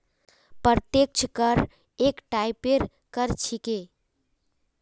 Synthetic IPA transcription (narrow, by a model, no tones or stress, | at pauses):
pəɾt̪ek̚t͡ʃʰkəɾ | ekʈaipeɾ | kəɾt͡ʃʰike